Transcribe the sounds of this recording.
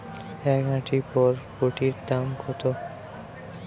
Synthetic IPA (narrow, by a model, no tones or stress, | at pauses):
ɛkãʈʰipɔɾkoʈiɾd̪amkʰɔt̪o